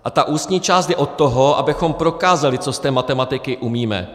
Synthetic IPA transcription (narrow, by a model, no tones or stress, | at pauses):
ʔat̪aʔuːst̪ɲiːt͡ʃaːst̪jɛʔo̞t̪ːoɦo̞ʔa̰bɪxo̞mpɾo̞kaːzalɪt͡so̞st̪ɛːmat̪ɛmat̪ɪkɪʔumiːmɛ̰